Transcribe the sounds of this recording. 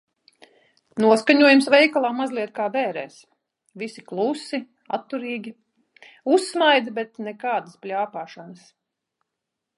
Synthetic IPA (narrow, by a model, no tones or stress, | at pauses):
nuɔskaɲuɔjumsvɛjkalˠaːmazlˠiɛt̪kaːbɛːɾɛːs | visiklˠusi | a̰t̪ːuɾiːɡʲi | usːmajd̪bɛt̪nɛkaːd̪əsplʲaːpaːʃanəs